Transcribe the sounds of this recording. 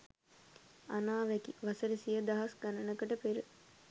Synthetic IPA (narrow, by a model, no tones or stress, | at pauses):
anaːʋɛkiʋasəɾəsijəd̪aɦɐsɡanənəkəʈəpeɾə